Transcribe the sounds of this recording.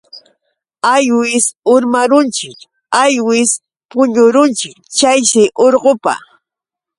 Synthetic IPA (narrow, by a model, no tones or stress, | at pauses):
ajwɪsʊɾmaɾʊnt͡ʃɪk | ajwɪs | pʊɲʊɾʊnt͡ʃɪkt͡ʃajʃɪʔoɾɢopa̰